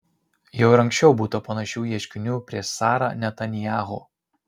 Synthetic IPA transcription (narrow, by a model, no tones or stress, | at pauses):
jɛʊɾɐŋʲksʲt͡ʃʲɛʊbuːt̪opɐnɐʃʲuːjiɛʃʲkʲɪnʲuːpʲɾʲiɛʃsɑːɾɑ̰ːnʲɛt̪ɐnʲɪjaːɣo̰ː